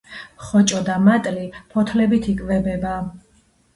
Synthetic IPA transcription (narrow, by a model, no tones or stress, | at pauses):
χɔt͡ʃʼɔd̪amat̪ʼlipʰɔt̪ʰlɛbit̪ʰikʼvɛbɛba